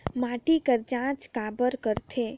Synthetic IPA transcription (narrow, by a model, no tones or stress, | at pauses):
maːʈikəɾd͡ʒãːt͡ʃkaːbəɾkəɾt̪ʰeː